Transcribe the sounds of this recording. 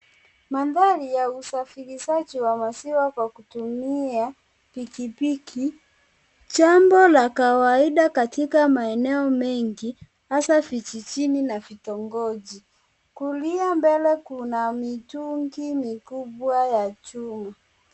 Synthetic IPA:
maðalijausafiɾiʃad͡ʒiwamasiwakwakutumia | pikipikʰi | t͡ʃambɔlakawaiɗakatikamaɛnɛɔmɛŋɡi | hasafit͡ʃit͡ʃininafitɔŋɡɔd͡ʒi | kuliambɛlɛkunamituŋɡimikuɓwajat͡ʃuma

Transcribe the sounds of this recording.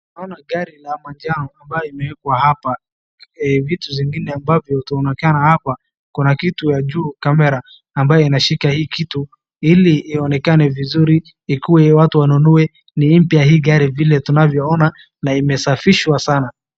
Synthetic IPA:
unaɔnaɡaɾilamand͡ʒanɔambajɔimɛwɛkwahapa | vituziŋɡinɛambavjɔhutaɔnɛkanahapa | kunakitujaʄuːkamɛɾaː | mbajɔinaʃikahiːkitu | iliːɔnɛkanɛvizuɾiː | kuwɛwatuwanunuɛ | nim̩pjaaɦiːɡaɾivilɛtunavjɔɔna | naimɛsafiʃwasana

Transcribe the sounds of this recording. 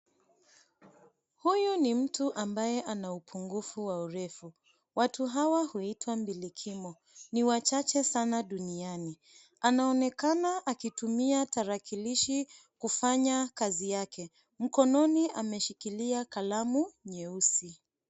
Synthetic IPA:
hujunim̩tuʔambajɛʔanaupʰuŋɡufuwauɾɛfu | watuɦawahuitwambilikʰimɔ | niwat͡ʃat͡ʃɛsanaɗuniani | anaɔnɛkanaʔakitumiataɾakiliʃikufaɲakazijakʰɛ | m̩kɔnɔniʔamɛʃikiliakalamuɲɛusi

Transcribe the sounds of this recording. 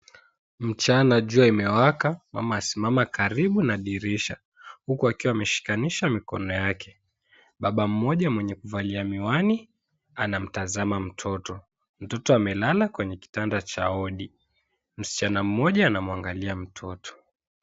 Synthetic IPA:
m̩t͡ʃanaʄuaimɛwakama̰maːsimamakaɾiɓunaɗiɾiʃa | hukuakiwaamɛʃi̥kaniʃamikɔ̰nɔjakʰɛ | ɓaɓam̩mɔʄamwɛɲɛkuvaliamiwani | anam̩tazamam̩tʰɔtɔ | m̩tɔtɔamɛlalakwɛɲɛki̥tandat͡ʃa̰ɔɗi | m̩si̥t͡ʃanam̩ːɔʄaːnamwaŋɡaliam̩tʰɔtɔ̥

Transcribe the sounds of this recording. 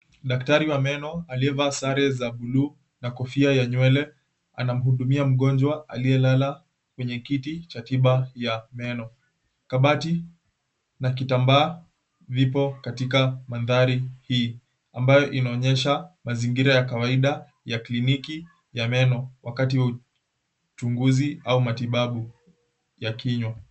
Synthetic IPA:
ɗaktaɾiwamɛnɔaliɛvaːsaɾɛzaɓuluː | nakɔfiajaɲwɛlɛ | a̰nam̩huɗumiam̩ɠɔnd͡ʒwaa̰liɛlala | kwɛɲɛkitit͡ʃatiɓajamɛnɔ | kaɓati | nak̬itambaː | vipɔkatikamanðaɾihiː | ambajɔʔinaɔɲɛʃamaziŋɡiɾajakawaiɗa | jakliniki | jamɛnɔwakatiwau | t͡ʃuŋɡuziaumatiɓaɓu | jakiɲwa

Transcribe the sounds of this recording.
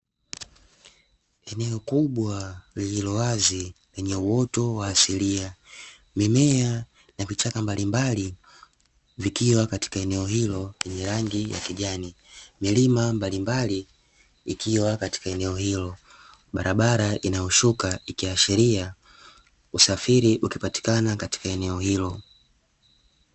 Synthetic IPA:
ɛnɛɔkuɓwaliilɔwazi | lɛɲɛuɔtɔwaːsilia | mimɛa | navit͡ʃakambalimbali | vikiwakati̥kaɛnɛɔhilɔlɛɲɛɾaŋɡija̰kiʄani | milimambalimbali | ikʰiwakati̥kaɛnɛɔhilɔ | ɓaɾaɓaɾaʔinajɔʃukaikiaʃɛɾia | usafiɾiʔukipati̥kanakati̥kaɛnɛɔhilɔ

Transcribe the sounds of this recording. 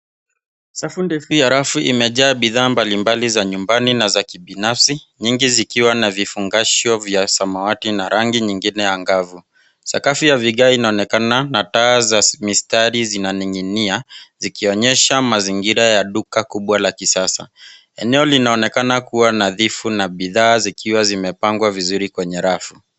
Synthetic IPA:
safundɛfujaɾafuʔimɛʄaːɓiðaːmbalimbalizaɲumbaninazakiɓinafsi | ɲiŋɡizikiwanavifuŋɡaʃɔvjasamawatinaɾaŋɡiɲiŋɡinɛjaŋɡavu | sa̰kafijaviɠainaɔnɛkananatazamistaɾizinaniŋiniazikiɔɲɛʃamaziŋɡiɾajaɗukakuɓwalakisasa̰ | ɛnɛɔlinaɔnɛkanakuwanaðifunaɓiðaːzikʰiwazimɛpaŋɡwavizuɾikwɛɲɛɾafu

